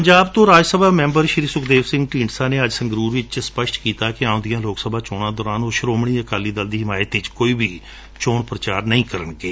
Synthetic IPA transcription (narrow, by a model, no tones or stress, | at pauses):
pəɲd͡ʒaːbt̪õːɾaːd͡ʒsəbaːmɛ̃ːmbəɾʃɾiːsʊkʰd̪eːʋsɪ̃ŋɡʈĩːɳsãːneːəd͡ʒsəŋɡɾuːɾʋɪt͡ʃspəʃʈkiːt̪aːkɪãːõːd̪ijãːloːksəbʱaːt͡ʃoːɽ̃ãːd̪ɔːɾaːnoːʃɾoːmɽ̃iːəkaːliːd̪əld̪iːɦɪmaːjət̪ʋɪt͡ʃkoːiːbʱiː | t͡ʃoːɳpɾət͡ʃaːɾnəĩːkəɾəɳɡeː